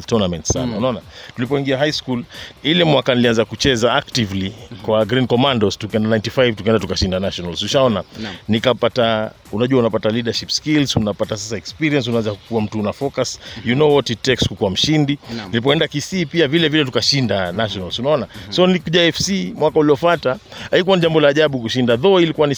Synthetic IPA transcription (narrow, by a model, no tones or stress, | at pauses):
tɔnamɛntsa̰na̰unaɔnatulipɔiŋɡiaɦajskulilɛmwakanilianzakut͡ʃɛzaak̚tivlikwaɡɾinkɔmandɔstukiɛndanajntifajvtukaɛndatukaʃindanaʃɔnalsuʃaɔnanikapata | unaʄuwaunapataliɗaʃipskilzunapatasasaɛkspiɾiɛns̬unawɛnzaku̥kuwam̩tuunafɔkasjunɔwɔtitɛkskukuwam̩ʃindinilip̬ɔɛndakisipiavilɛvilɛtukaʃindanaʃɔnalzunaɔnasɔnikuʄaɛfsimwakauliɔfataaikuwaniʄambɔlaːʄaɓukuʃindaðɔilikuwani